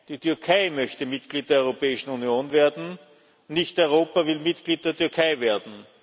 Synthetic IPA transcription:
d̥iːtʏɐkʰaɪmœçtəmɪtɡ̥liːt̚d̥eːɐɔʏʁopɛːɪʃn̩unjoːnveːɐdn̩ | nɪçtɔʏʁ̞oːpɐvɪlmɪtɡ̥liːt̚d̥eːɐtʏɐkʰaɪveːɐdn̩

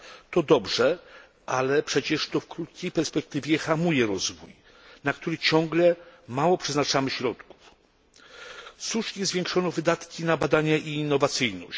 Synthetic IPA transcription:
t̪ɔd̪ɔbʐɛ | ʔalɛpʂɛt͡ɕɛʂt̪ɔfkɾut̪̚kʲejpɛɾspɛk̚t̪ɘvʲjɛxamujɛɾɔzvuj | nakt̪uɾɘt͡ɕɔŋɡlɛmawɔpʂɛznat͡ʂamɘɕɾɔt̪ku̥f | suʂɲɛzvʲjɛŋkʂɔnɔvɘd̪at̪kʲinabad̪aɲaʔiːnːɔvat̪sɘjnɔɕ

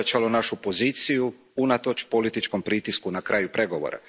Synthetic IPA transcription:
at͡ʃalonaʃupo̞ziːt̪siju | unat̪o̞t͡ʃpolit̪it͡ʃko̞mpɾit̪iskunakɾaːjupɾe̞ɡo̞ʋo̰ɾa̰

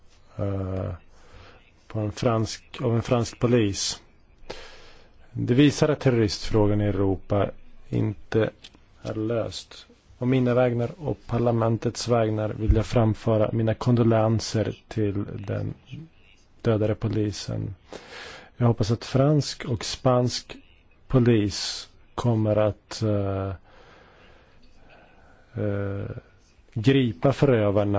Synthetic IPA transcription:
pʰɔɛnfɾanskavɛnfɾansk̚pʰʊliːs | d̪ɛviːsaɾat̪ʰːɛɾʊɾɪst̪fɾoːɡanɪɛɾuːpaɪ̰nt̪ə | æ̰ɾɭø̰ːst̪ | ɔmːiːnavɛːɡnaɾɔ̰kpʰaɭamɛnt̪ət̪svɛːɡnaɾvɪljaːfɾamfœːɾa̰miːnakʰɔnd̪ɔlansəɾt̪ʰɪld̪ɛ̰n | d̪̥øːd̪aɾəpʰʊliːsə̰n | jɑːɡhɔpːasat̪fɾanskʰɔkspansk | pʰʊliːs | kʰɔmːəɾat̪ | ɡɾiːpafœɾøːvaɳə

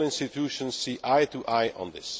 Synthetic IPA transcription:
lɪ̃nstɪt̪ʰʉʃə̃nssiːʔʔaɪt̪ʰuʔaɪə̰̃nðɪs

